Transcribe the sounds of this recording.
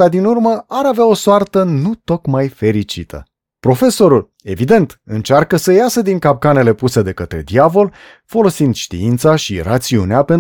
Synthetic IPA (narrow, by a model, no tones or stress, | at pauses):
ad̪inurməaɾaveao̞soart̪ənut̪o̞kmajfe̞ɾit͡ʃḭt̪ʰə̰ | pɾo̞fe̞so̞ɾul | e̞vid̪e̞nt̪ɨnt͡ʃarkəsəjasəd̪iŋkap̚kane̞le̞puse̞d̪e̞kət̪ɾe̞̰d̪iavo̞l | fo̞lo̞sind̪ʃt̪ḭint̪saʃira̰t̪siuneape̞n